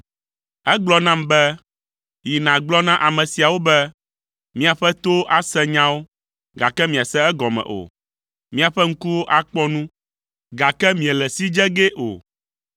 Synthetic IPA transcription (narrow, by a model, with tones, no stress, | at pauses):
ɛ˦ɡ͡blɔ˦nã˦mbɛ˦ | ji˨nã˨ɡ͡blɔ˦nã˦ʔa˨mɛ̃˨si˨a˨wo˦bɛ˦ | mĩ˦a˨ɸɛ˦t̪o˦ʔa˦sɛ˦ɲã˦wo˦ | ɡa˨kɛ˦mĩ˨a˨sɛ̃˦ɛ˦ɡɔ˨mɛ̰̃˨ʔo̰˨ | mĩ˦a˨ɸɛ˦ŋ̩˦ku˦wo˦ʔa˦k͡pɔ˦nũ˦ | ɡa˨kɛ˦mĩ˨ɛ˨lɛ˨si˦d͡ʒɛ˦ɡɛ˦ʔo̰˨